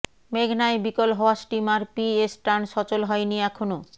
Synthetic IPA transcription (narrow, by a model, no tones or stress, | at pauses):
meɡʱnaebikolɦɔoasʈimaɾpiesʈanʃɔt͡ɕolɦɔeniɛkʰono